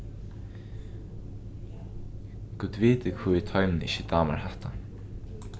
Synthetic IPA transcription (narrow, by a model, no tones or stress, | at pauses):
kuːt̪viːt̪ɪkʰvut̪ʰɔʏmnɪçɪt̪aːma̰ɹhɛht̪a